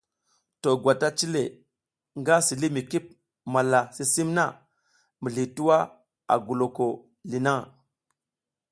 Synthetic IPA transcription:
to˨ɡwa˨ta˦t͡ʃi˦le˨ | ŋɡa˦si˨li˦mi˨ki˦p̚ | ma˨la˨si˦si˦mna˦˨ | mi˨ɮi˨tu˦wa˦ | a̰˨ɡu˨lo˨ko˨ | li˨na˦

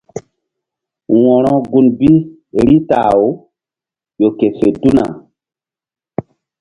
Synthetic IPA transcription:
wɔ̃˨ɾɔ̃˦ɡu˨nbi˦ | ɾi˦ta̰ː˨o˦ | jo˨ke˨se˨du˦na̰˨

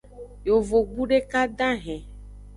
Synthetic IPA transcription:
jo˨vo˨ɡ͡bu˦ɖe˦ka˦ɖ̪ã˦ɦɛ̃˨

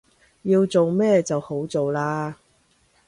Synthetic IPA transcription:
jiː˧wt͡so˨wmɛː˥t͡sɐ˨who˨˥wt͡so˨wlaː˧

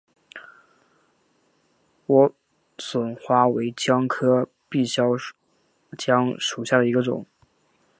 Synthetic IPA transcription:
wɔ˧˥ | swə˨˩nxwa˥we˧˥ɪt͡ɕjɑ˥ŋkʰɤ˥ | pi˥˩ɕjɑ˥ʊ | t͡ɕjɑ˥ŋʂu˨˩ɕja˥˩d̪ə˩i˧˥ɡə˧ʈ͡ʂʊ̰˨˩˦ŋ

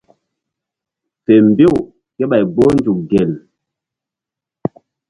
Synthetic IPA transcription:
fɛ˨m˨be˦˨w | kɛ˦ɓa˨jɡ͡bo˦nd͡ʒu˨k̚ɡɛ˨l

